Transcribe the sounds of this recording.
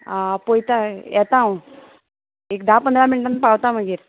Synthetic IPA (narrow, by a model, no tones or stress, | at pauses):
apojt̪ajɛt̪ãw̃ | ek̚d̪apənd̪ɾaminʈənːpawt̪am̤əɡiːɾ